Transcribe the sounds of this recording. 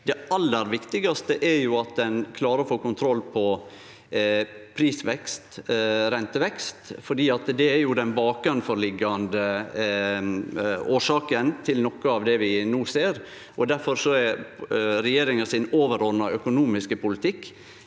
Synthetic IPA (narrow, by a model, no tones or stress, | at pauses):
d̪ɛɑlːəɾʋɪkt̪ɪɡɑst̪əʔæɾjʊɑt̪̚d̪ɛnkʰlɑːɾəɾɔfoːkʊnt̪ʰɾɔlːpʰɔ | pʰɾiːsʋɛkst̪ɾɛnt̪əʋɛkst̪fɔɖiːɑt̪d̪ɛæɾjʊd̪ɛnbɑːk̚ɡʉnfɔɾɭɪɡːɑnd̪ə | oːʂɑːkənt̪ʰɪlnɔkːəɑʋd̪ɛʋɪnoːseːɾ | ʔɔd̪æɾfɔɾsɔɛɾɾɛjeːɾɪŋənsɪnoːʋəɾɔɾnɑʔœkʊnuːmɪskəpʊlɪt̪ʰɪkː